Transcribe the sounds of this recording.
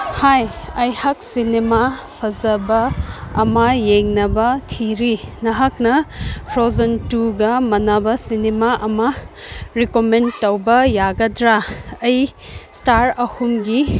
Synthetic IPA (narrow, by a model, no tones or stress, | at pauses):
hajɐjhɐk̚sinemapʰɐzɐbɐːmɐjeŋnɐbɐtʰiɾinɐɦak̚nɐpʰɾozɐntuɡɐmɐnabɐsinemaʔɐmɐ | ɾikomentɐwbɐjaɡɐdɾaɐjstaɾɐhumɡi